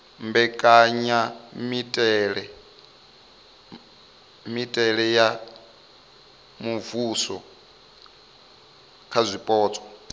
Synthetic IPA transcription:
mbɛkʼaɲamitʼɛɺɛ | mitʼɛɺɛja | muvusɔ | kʰazʷipʼɔːt͡sʼɔ̥

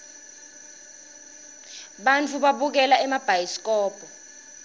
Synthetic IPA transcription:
ɓant͡fʰuɓaɓuk̬ɛlaɛmab̥ʱajiskɔːb̥ʱɔ

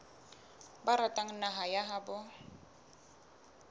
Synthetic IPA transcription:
baɾatʼaŋ̩naɦajaɦabʊ

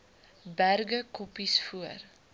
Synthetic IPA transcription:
bærɡəkɔpisfuər

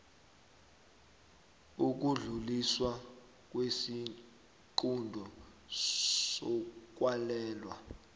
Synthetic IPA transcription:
uk̬uɮuliswa | k̬ʼwesi | ǃundʱɔ | sɔk̬ʼwalɛːlwa̰

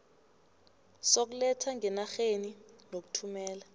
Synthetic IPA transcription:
sok̬ulɛtʰaŋʱɛnaxeninok̬u̥tʰumɛːla

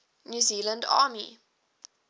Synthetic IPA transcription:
njuziːlə̃ndɑ̰ːmḭ

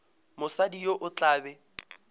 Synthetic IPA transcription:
mʊsadijoʔʊt͡ɬʼaːbɛ

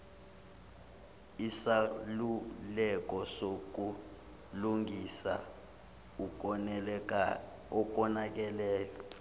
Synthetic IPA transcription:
isalulɛk̬ʼɔsok̬u | luŋisa̰ | ɔk̬ʼɔnak̬ɛlɛːlɛ

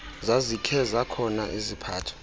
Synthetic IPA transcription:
zazikʰɛzakʰɔnaʔezipʰaːtʰɔ̥

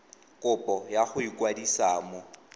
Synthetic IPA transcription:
kʼʊpʼɔjaχʊikʼwadisaːmɔ

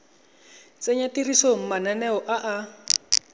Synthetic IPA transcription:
t͡seɲatirisom̩mananɛɔʔaʔa

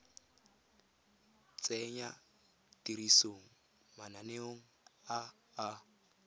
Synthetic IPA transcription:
t͡sʼɛɲa | tiɾisoŋ̩ | mananeoŋ̩aː

